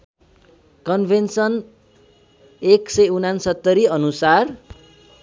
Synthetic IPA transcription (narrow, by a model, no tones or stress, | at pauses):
kʌnbʱensʌn | eksʌjunansʌt̪ːʌɾiʌnusar